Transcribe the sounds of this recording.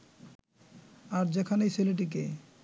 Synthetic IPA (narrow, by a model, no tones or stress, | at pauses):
aɾd͡ʑekʰanejseleʈ̬ik̬e